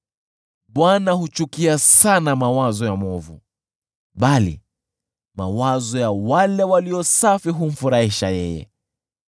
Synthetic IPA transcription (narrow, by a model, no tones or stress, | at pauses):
ɓwanahut͡ʃukiasanamawazɔjamɔvṵ | ɓalḭ | mawazɔjawalɛwaliɔsafiɦum̩fuɾaiʃajɛ̰jɛ̰